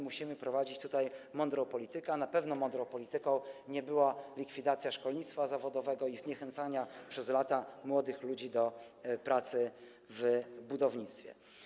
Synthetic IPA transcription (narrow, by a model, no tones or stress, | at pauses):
muɕimɘpɾɔvad͡ʑit͡ɕt̪ut̪ajmɔnd̪ɾɔ̃w̃pɔlʲit̪ɘkɛnapɛvnɔmɔnd̪ɾɔ̃w̃pɔlʲit̪ɘkɔ̃w̃ɲɛbɘwalʲikfʲid̪at̪sʲjaʂkɔlɲit̪st̪fazavɔd̪ɔvɛɡɔizɲɛxɛnt̪saɲapʂɛzlat̪amwɔd̪ɘxlud͡ʑid̪ɔ | pɾʔat̪sɘ | vbud̪ɔvɲit̪st̪fʲjɛ̰